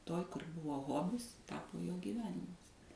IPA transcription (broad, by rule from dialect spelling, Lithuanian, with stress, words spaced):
ˈtoːj kʊr ˈbʊʋoː ˈɣoːbʲɪs ˈtɑːpoː joː ɡʲiːˈʋʲæːnʲɪmɐs